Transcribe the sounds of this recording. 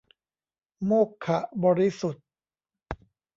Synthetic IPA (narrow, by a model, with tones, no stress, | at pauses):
moː˥˩kʰːa˨˩ʔbɔː˧ɾi˦˥˩su˨˩t̪̚